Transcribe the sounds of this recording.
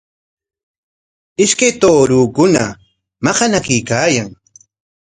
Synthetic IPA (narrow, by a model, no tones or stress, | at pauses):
ɪʃkajt̪oːɾuːkʊna | mɑqɑnakijkaːjaŋ